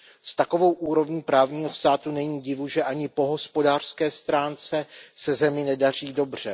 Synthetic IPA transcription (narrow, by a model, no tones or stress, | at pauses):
st̪ako̞vo̞wʔuːɾo̞vɲiːpɾaːvɲiːɦo̞st̪aːt̪unɛɲiːɟɪvuʒɛʔaɲɪpo̞ɦo̞spo̞daːr̥skɛːst̪ɾaːnt͡sɛsɛzɛmɪnɛdar̝iːdo̞br̝̥ɛ